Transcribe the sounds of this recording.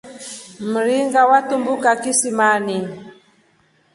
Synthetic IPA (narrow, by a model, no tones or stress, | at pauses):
m̩ɾiŋɡawatumbukakisimani